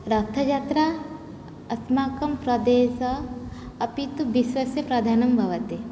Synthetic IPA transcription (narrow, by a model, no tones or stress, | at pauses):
ɾɐt̪ʰːɐd͡ʒaːt̪ɾa | ɐsmaːkɐmpɾɐd̪eːsɐɐpit̪ubiʃʋɐsjɐpɾɐd̪ʱaːnɐmbʱɐʋɐt̪e